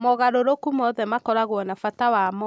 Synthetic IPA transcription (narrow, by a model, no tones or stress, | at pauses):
mɔɣaɾoɾokumɔðɛmakɔɾaɣwɔnafatawamɔ